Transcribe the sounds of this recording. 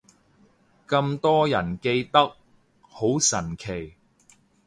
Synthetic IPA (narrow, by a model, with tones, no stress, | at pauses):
kɐ˧mt̪ɔː˥jɐ˨˩nke˧jt̪ɐ˥k̚ | ho˨˥wsɐ˨˩nkʰe˨˩j